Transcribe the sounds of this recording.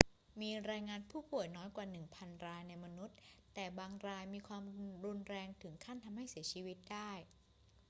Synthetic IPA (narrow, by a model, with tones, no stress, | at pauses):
miː˧ɾaː˧jŋaː˧npʰuː˥˩pu˨˩əjnɔː˦˥jkwaː˨˩nɯ˨˩ŋpʰa˧nɾaː˧jna˧jma˧nu˦˥t̪̚t̪ːɛː˨˩baː˧ŋɾaː˧jmiː˧kʰwaː˧mɾu˧nɾɛː˧ŋt̪ʰɯ˩˦ŋkʰa˥˩nt̪ʰa˧mha˥˩jsi˩˦ɐt͡ɕʰiː˧wi˦˥t̪̚daː˥˩j